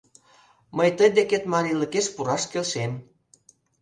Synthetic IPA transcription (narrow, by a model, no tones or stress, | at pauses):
məjt̪əjd̪eket̪mɑɾiləkeʃpuɾɑʃkelʃen